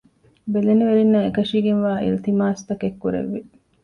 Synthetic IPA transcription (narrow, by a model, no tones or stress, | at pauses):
beleniʋeɾinːɐekɐʂiːɡenʋaːʔḭlt̪imaːst̪ɐkekːuɾḛʋːi